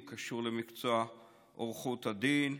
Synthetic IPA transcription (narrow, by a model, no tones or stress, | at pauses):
kaʃuʁlemikt͡soa | ʔoʁχut̪had̪in